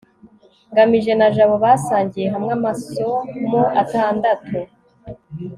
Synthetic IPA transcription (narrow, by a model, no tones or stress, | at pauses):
ŋɡamiʒe̞naʒaβoβaːsaːɲɟije̞ɦamŋamasomoʔataːndatʰu